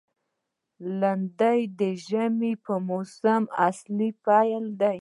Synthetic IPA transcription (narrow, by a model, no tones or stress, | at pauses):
land̪ajd̪əʒamipəmosamaslipɑjald̪aj